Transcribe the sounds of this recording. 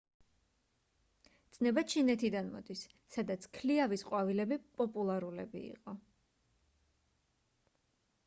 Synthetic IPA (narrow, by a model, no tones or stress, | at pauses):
d̪sʰʼnɛbat͡ʃʰinɛt̪ʰid̪anmɔ̰d̪isː | ad̪at̪sʰkʰliavisqʼwavilɛbipʼɔpʼulˠaɾulɛbḭḭqʼɔ